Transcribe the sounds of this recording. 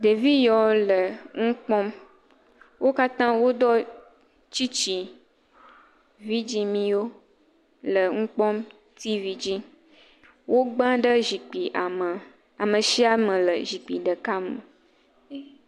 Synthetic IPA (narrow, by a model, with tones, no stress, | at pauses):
ɖe˨vi˦jɔ˨lə˨ŋũ˦k͡pɔ̃˦m | wʔo˦ka˦t̪ã˦wo˦d̪ɔ˦ | t͡ɕi˦t͡ɕi˨ | vi˦d͡ʒi˦mĩ˦wo˦ | lə˨ŋũ˦k͡pɔ̃˦m | t̪i˦vi˦d͡ʑi˦ | wʔo˦ɡ͡bã˦ɖə˦ʒi˨k͡pi˨ʔa˨mə˨ | a˨mə˨ʃi˦a˦mə̃˨lə˨ʒi˨k͡pi˨ɖə˨ka˦mə˨˦